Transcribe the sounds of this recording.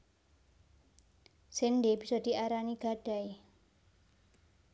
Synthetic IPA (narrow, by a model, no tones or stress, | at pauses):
senɖeb̥i̤sɔd̥̪i̤ʔaɾaniɡ̥aɖ̥aj